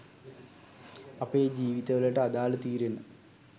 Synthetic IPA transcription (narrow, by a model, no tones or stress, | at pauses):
ɐpːed͡ʑiːʋiðɐʋɐleʈːɨɐðaːɭɨt̪iːɾenːɨ